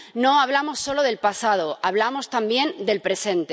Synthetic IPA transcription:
no̞aβ̞lamo̞sːo̞lo̞ð̞e̞lpasað̞o̞aβ̞lamo̞st̪ambje̞nd̪e̞lpɾe̞sẽ̞nt̪e

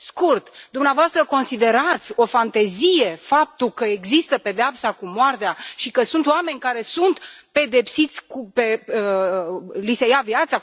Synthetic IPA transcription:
skurt̪d̪umneavoast̪ɾəko̞nsid̪e̞ɾat̪sʲo̞fant̪e̞zije̞fap̚t̪ukəeɡzist̪əpe̞d̪eapsakumoart̪eaʃikəsunt̪oame̞nʲkaɾe̞sunt̪pe̞d̪e̞psit̪sʲkupe | lisejavjat̪sa

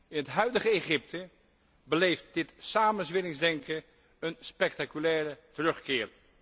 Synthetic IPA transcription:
ɪnɦətɦœɥdəχəeχɪp̚tə | bəlejft̚dɪtsaːmənzʋɪlɪŋzdɛŋkə | ənspɛk̚takylɛːɾətərɵχkɪːɹ

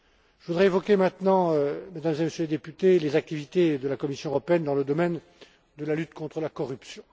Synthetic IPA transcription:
ʒ̥əvud̪ʁɛevɔkʲemɛ̃t̪nɑ̃ømed̪amzeməsjøled̪epyt̪elezak̚t̪ivit̪ed̪əlakɔmisjɔ̃əʁɔpeɛnd̪ɑ̃ləd̪ɔmɛn | d̪əlalyt̪kɔ̃t̪χəlakɔʁypsjɔ̃

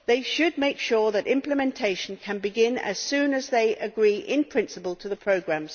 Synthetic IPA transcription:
ðeɪʃɨd̚meɪkʃɔɹðəɾɪ̃mpləmɛ̃ntʰeɪʃə̃n̩kʰə̃nbɪɡɪ̃nə̰z̥sʉ̃ːnəzðeɪʔəɡɹiːʔɪ̃npʰɹ̥ɪ̃nsəpəlˠtʰəðəpʰɹ̥əʊɡɹæ̃mz̥

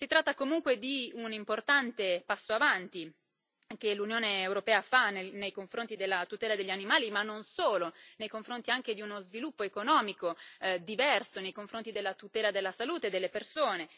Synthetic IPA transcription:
sit̪ɾat̪ːakomuŋkwed̪iunimport̪ant̪epasːoavant̪i | k̟elunjoːneːwɾopɛːafanenejkoɱfɾont̪id̪elːat̪ut̪ɛːlad̪eʎːanimaːlimanːonsoːlonejkoɱfɾont̪iaŋk̟ed̪iunozvilupːoekonɔːmikod̪ivɛrsonejkoɱfɾont̪id̪elːat̪ut̪ɛːlad̪elːasaluːt̪ed̪elːepersoːne

